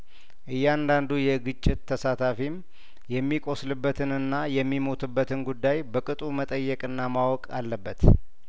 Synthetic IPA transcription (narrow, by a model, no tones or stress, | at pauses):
ʔɨjːand̪and̪ujɛɡɨt͡ʃʼːɪt̪ʰːəsat̪ʰafim | jɛmːikʼo̞slɨbːət̪ʰɨnɨnːajɛmːimo̞t̪ʰɨbːət̪ʰɨnɡud̪ːajbəkʼɨt̪ʼumət̪ʼəjːɛkʼɨnːamawɔkʼa̰lːəbːət̪